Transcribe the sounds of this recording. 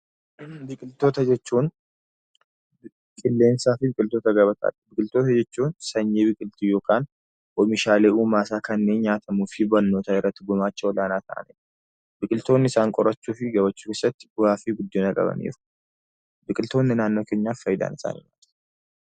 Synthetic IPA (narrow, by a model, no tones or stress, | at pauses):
bɨkʼɨlt̪ʰot̪ʰɐd͡ʒɛt͡ʃːun | kʼɨlːensafibɨkʼɨlt̪ʰot̪ʰɐɡɐβət̪ʼa̰lbɨkʼɨlt̪ʰot̪ʰɐd͡ʒɛt͡ʃːunsɐɲːeβɨkʼɨlt̪ʰijokʰʼaːn | wɔmːiʃaleʔumaːsaːkʰɐnːeɲaːt̪ʰʼɐmufibɐnːoːt̪ʰaɪɾət̪ːɡomat͡ʃːɛwlanat̪ʰa̰ːnḛ | bɨkʼɨlt̪ʰonːɪsaŋkʼɔɾɐt͡ʃːufiɡɐβɐt͡ʃːukɪsɛt̪ːafiɡʊd̪ːenɐkʼɐ̰βɐ̰nḛɾu̥ | bɨkʼɨlt̪ʰonːɨnanːokʰeɲːafːɐjd̪a̰nɨsa̰nɪ̰nal